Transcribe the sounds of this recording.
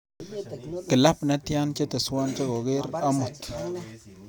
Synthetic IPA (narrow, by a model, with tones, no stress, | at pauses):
kɪ˨la˦pna˦t̪ja˦nt͡ʃe˦t̪e˨swa˦nt͡ʃe˦ɡo˨ɡe˦ɾa˦mʊ˨t̪